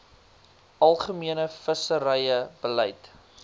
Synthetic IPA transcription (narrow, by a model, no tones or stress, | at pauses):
ʔɐlˠχəmiənəfəsəɾəjəbəlɛjt